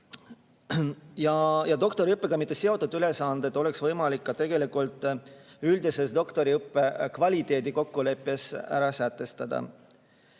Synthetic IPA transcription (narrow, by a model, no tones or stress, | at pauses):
jɑjɑd̪o̞k̚t̪o̞ɾiɯpːe̞ɡ̥ɑmit̪ːese̞o̞t̪ːˑud̪yle̞sɑnd̪̥e̞t̪o̞le̞ksvɤjmɑlikːɑt̪e̞ɡ̥e̞likult̪ːˑyld̪ise̞sd̪o̞kt̪o̞ɾiɯpːekvɑlʲit̪ˑe̞ːd̪iko̞kːule̞pːˑe̞sæ̰ɾɑsæt̪ːˑe̞st̪ɑd̪̥ɑ̰